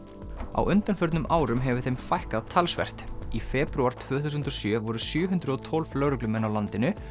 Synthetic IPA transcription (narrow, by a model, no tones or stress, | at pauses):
a̰wʔʏnt̪anfʏɾt̪nʏmʔaːwɾʏmɦɛvʏ̥θejmfajhkaðt̪ʰalsvɛ̰r̥t̪ifɛːpɾuaɾ̥t̪ʰvœːθus̬ʏnt̪ɾɔsjœvɔɾʏsjœːɦʏnt̪ɾʏðɔt̪ʰɔlv̥lœːɾʏklʏmɛnːawlant̪ɪnʏ